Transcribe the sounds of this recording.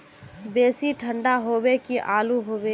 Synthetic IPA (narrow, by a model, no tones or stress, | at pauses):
beːsiʈʰə̃ɳɖaɦoːbekiʔaːluɦoːbe